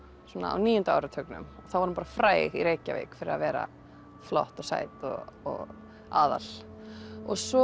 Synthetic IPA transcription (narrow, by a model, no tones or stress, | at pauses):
sɔːnaa̰wniːjʏnt̪ʏa̰wɾɪt̪ʰœknʏ̰mɔθawvɔɾmpaːɾafɾaːjɣiɾeːjcavḛːjkfɪɾɪɾa̰vɛːɾa̰ | flɔ̰ht̪ɔɣsa̰ːjt̪ɔɔɣ | aːða̰l | ɔɣsɔ